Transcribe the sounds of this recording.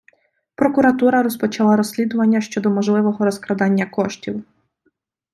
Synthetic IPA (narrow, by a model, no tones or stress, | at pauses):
pɾɔkʊɾɐt̪uɾɐɾɔspɔt͡ʃɐlˠɑɾɔsʲlʲid̪ʊʋɐnʲːɐʃt͡ʃɔd̪ɔmɔʒlˠɪʋɔɦɔɾɔskɾɐd̪ɑnʲːɐkɔʃtʲiw